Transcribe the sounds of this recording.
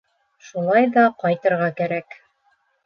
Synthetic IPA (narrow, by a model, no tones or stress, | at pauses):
ʃulˠɑjðɑqɑjt̪ɤ̆ɾʁɑkæɾæk